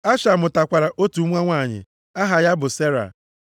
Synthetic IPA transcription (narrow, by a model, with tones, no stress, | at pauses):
a˦ʃa˨mʊ˨ta˨kʷa˨ɾa˨ʔo˦tu˨˦ŋʷa˦ŋʷa˦˨ɲɪ̰˨ | a˦ɦa˨ja˦bʊ˨se˦ɾa̰˨